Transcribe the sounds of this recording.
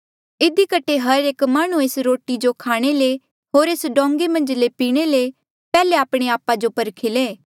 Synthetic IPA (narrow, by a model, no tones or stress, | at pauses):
ɪd̪ikəʈʰeɦɐɾeːkmaːɽ̃ũeːsɾoːʈid͡ʒokʰaːɽ̃ele | ɦoːɾeːsɖɔ̃ːŋɡemɐ̃nd͡ʒlepiːɽ̃ele | pɛːleaːpɽ̃eaːpad͡ʒopɐɾkʰeleː